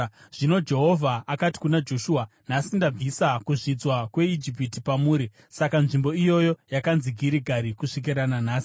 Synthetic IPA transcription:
ʐ̥ino̞d͡ʒe̞ɦo̞vʱaʔːkati̥kunad͡ʒo̞ʃuːa | nasindab͡visakuʐid͡zwakwe̞id͡ʒip̬itipamuːɾi | sakanʐimbo̞ijo̞jo̞jakanziɡʱiɾiɡʱaɾikuʂik̬iɾananaːsi̥

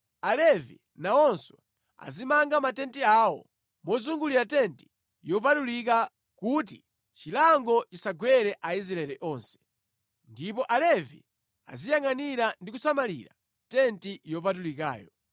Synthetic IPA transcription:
alɛvḭ | naɔnsɔ̰ | a̰zimaŋɡamatɛntiawɔ̰ | mɔzuŋɡuliɾatɛnti̥ | jɔp̬atulik̬a | kutḭ | t͡ʃilaŋɡɔt͡ʃisaɡwɛɾɛʔaiz̬ɾaɛlɛʔɔːnsɛ̥ | ndipɔʔalɛvḭ | a̰zijaŋaniɾandikusamalḭɾa | tɛntijɔp̬at̬ulika̰ːjɔ

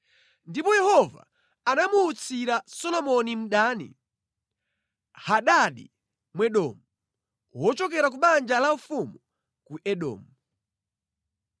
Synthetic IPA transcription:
ndipɔjɛhɔva̰ | anamuːt͡sʰiɾasɔlɔmɔnim̩ɗaːnḭ | haɗaɗḭ | mwɛɗɔmu | wɔt͡ʃɔkɛɾak̬uɓand͡ʒalam̩fumu | kuʔɛɗɔ̰ːmu

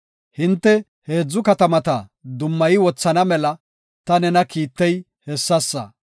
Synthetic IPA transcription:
hɪnt̪ːɛ | he̞ːd͡zːʊkɐt̪ɐmɐt̪ɐd̪ʊmːɐjɪwɔt͡sːɐnɐmɛlɐ | t̪ɐnɛnɐkiːt̪ːɛj | hɛsːɐsːɐ̰

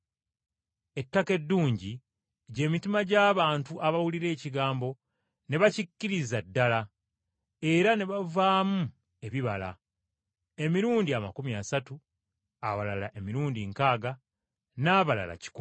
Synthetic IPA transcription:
e̞tːake̞dːuːɲɟi | ɟe̞ːmitimaɟaːβaːntuʔaβawuliɾe̞ːciɡaːmbo̞ | ne̞βacicːiɾizadːala | e̞ɾane̞βavaːmu | e̞βiβala̰ | e̞miɾuːndiamakumiasatu | awalala̰ʔe̞miɾuːndiŋkaːɡa | naːβala̰la̰ci̥ku

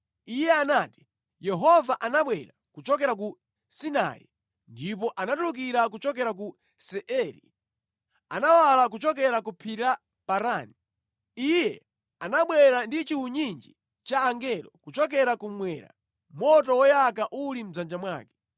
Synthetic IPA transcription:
ijɛanati̥ | jɛɦɔvaʔanaɓwɛɾakut͡ʃɔkɛɾak̬u | sina̰jḭ | ndipɔʔanatuluk̬iɾak̬ut͡ʃɔk̬ɛɾak̬u | sɛʔɛɾḭ | anawalak̬ut͡ʃɔk̬ɛɾakupʰiɾa | paɾaːni | ijɛ | anaɓwɛɾandit͡ʃiwuɲind͡ʒi | t͡ʃaːŋɡɛlɔ̰kut͡ʃɔk̬ɛɾakumwɛːɾa̰ | mɔtɔwɔjakaʔulim̩zand͡ʒamwa̰ːkɛ̥

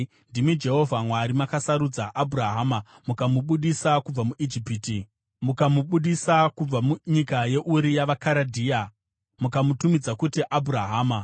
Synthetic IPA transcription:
ndimid͡ʒe̞ɦo̞vʱamwaɾimakasaɾud͡zaʔabʱuraɦaːma | mukamuɓuɗisakub͡vamuʔid͡ʒipiːti | mukamuɓuɗisakub͡vamuɲikaje̞ʔuɾijaʋakaɾadʱiːa | mukamutumid͡zakutiʔabʱuɾaɦaːma

